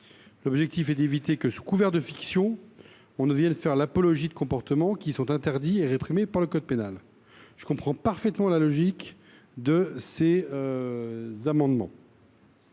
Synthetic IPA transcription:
lɔbʒɛk̚t̪ifɛd̪evit̪ekəsu̥kuvɛʁd̪əfiksjɔ̃ | ɔ̃nəvjɛ̃d̪əfɛʁlapɔlɔʒid̪əkɔ̃pɔʁt̪əmɑ̃kʲisɔ̃t̪ɛ̃t̪ɛʁd̪ieʁepχimepaʁləkɔd̪̚penal | ʒ̥ə̥kɔ̃pχɑ̃paʁfɛt̪mɑ̃lalɔʒik | d̪əseø | zamɑ̃d̪mɑ̰̃

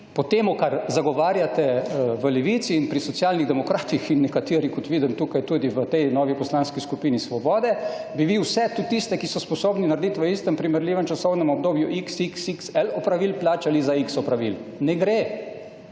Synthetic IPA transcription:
pɔt̪eːmukaɾzaɡɔʋaːɾjat̪ɛʋəlɛʋiːt̪siːnpɾisɔtsjaːlniɣd̪ɛmɔkɾaːt̪ixinːɛkat̪iːɾikɔt̪ʋiːd̪imt̪uːkajt̪uːd̪iʋət̪ɛjnɔːʋipɔslanskiskupiːnisʋɔbɔːd̪ɛbiʋiwsɛt̪ut̪ist̪ɛkisɔspɔsoːbninaɾd̪it̪ʋəist̪ɛmpɾimɛɾlʲiːʋɛmt͡ʃasɔwnɛmɔb̚d̪oːbjuʔiksiksiksɛlɔpɾaʋilplaːt͡ʃalizaiksɔpɾaʋilnɛɡɾe

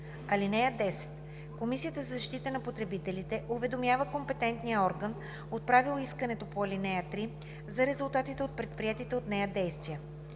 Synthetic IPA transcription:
ɐlinɛjəd̪ɛsɛ̥t̪ | komisijət̪əzɐzɐʃt̪it̪ənɐpot̪ɾɛbit̪ɛlit̪ɛʔuvɛd̪omjavəkompɛt̪ɛnt̪nijəɔɾɡən | ot̪̚pɾavilˠoiskɐnɛt̪opoɐlinɛjət̪ɾi | zɐɾɛzulˠt̪at̪it̪ɛot̪̚pɾɛt̪̚pɾiɛt̪it̪ɛot̪nɛjəd̪ɛjst̪vijə

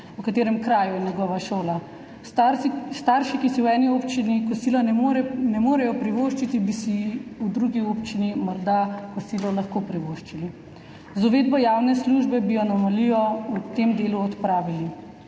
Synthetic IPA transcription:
wkat̪eːɾɛmkɾaːjujɛnjɛɡɔʋaʃoːla | st̪aɾʃikisiwɛːniopt͡ʃinikɔsilɔnɾɛnɛmoːɾɛjɔpɾiʋoʃt͡ʃit̪ibisiud̪ɾuɡiopt͡ʃinimɔɾd̪akɔsilɔlaxkopɾiʋoːʃt͡ʃili | zɔʋeːd̪̚bɔjaːwnɛsluʒbɛbijɔnamɔlijɔut̪emd̪eːluɔt̪pɾaːʋili

